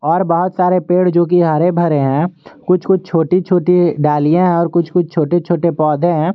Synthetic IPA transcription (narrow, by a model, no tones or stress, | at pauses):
ɔːɾbəɦʊt̪saːɾepeːɽd͡ʒoːk̬iɦaːɾebʱɐɾeɦɛ̃ːkʊt͡ʃʰkʊt͡ʃʰt͡ʃʰoːʈit͡ʃʰoːʈiɖaːlijẽɦɛ̃ɔːɾkʊt͡ʃʰkʊt͡ʃʰt͡ʃʰoːʈet͡ʃʰoːʈepɔːd̪ʱẽɦɛ̃ː